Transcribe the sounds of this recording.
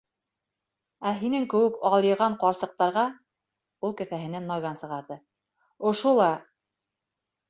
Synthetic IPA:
æɦinɘŋkɘ̆wɘkɑlˠjɤ̆ʁɑɴqɑɾsɤ̆q̚t̪ɑɾʁɑ | ulˠkɘ̆θæɦɘ̆nænmɑɡɑnsɤ̆ʁɑɾðɤ | ŏʃulˠɑ

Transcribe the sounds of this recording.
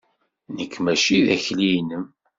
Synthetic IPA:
nəkːmæʃiðæçlijnəm

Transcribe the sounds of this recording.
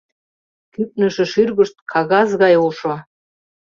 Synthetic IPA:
kyp̚nə̆ʃə̆ʃyrɣə̆ʃt̪̚kʰɑɣɑzɣɑjuʃo

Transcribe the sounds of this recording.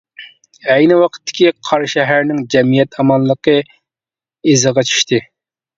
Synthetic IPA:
ɛjnɪwɑqʰə̥t̪ʰːɪ̥kʲiqʰɑɾʃɛɦæɾnɪŋd͡ʒɛmijɛt̪ʰɑmɑlˠːəqʰə | ezəʁɑt͡ʃʰi̥ʃt̪ɨ

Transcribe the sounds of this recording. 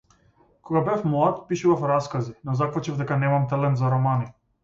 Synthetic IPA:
kʰɔɡabɛfmɔat̪piʃuvafɾaskazinɔzakvat͡ʃivd̪ɛkanɛmamt̪alɛnt̪zaɾɔmani

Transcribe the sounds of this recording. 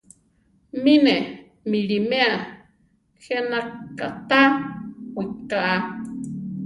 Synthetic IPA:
mine | milimea | xenakːa̰t̪awikaʔa

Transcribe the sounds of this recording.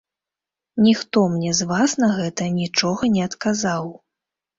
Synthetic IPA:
nʲixt̪ɔmnʲɛzvasnɐɣɛt̪ɐnʲit͡ʂɔɣɐnʲɛɐt̪kazaw

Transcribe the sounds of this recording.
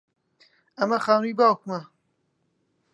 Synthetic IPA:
ɐmɐxaːnujbaːwkmɐ

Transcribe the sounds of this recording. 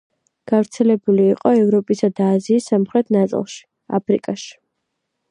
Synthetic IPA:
ɡ̥avɾt̪sʰɛlɛbuliːqʼɔɛvɾɔpʼisad̪aːziːsːamχɾɛt̪ʰnat̪sʼḭlˠʃi̥ | a̰pʰɾḭkʼaʃi̥

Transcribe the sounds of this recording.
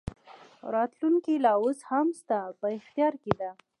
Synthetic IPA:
ɾɑt̪luŋkilɑoshamst̪apəɪxt̪jɑɾked̪a

